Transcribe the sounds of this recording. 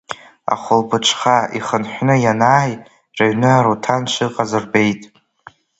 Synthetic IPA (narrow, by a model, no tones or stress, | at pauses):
a̰χʷʊlpʰɨʈ͡ʂʷʰχaiχənħʷᶣnɨjanaːj | raɥnɨaɾutʰanʃʰʷɨqʼazɨrbe̞jtʼ